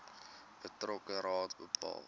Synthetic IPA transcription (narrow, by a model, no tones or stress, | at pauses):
b̥ətrɔkəɾɑːtbəpʰɑ̰ːlˠ